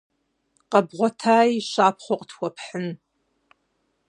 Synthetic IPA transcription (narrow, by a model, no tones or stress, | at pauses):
qɐbʁʷɔtʰaːjʃaːpʰχʷɔqʼtʰwɔpħən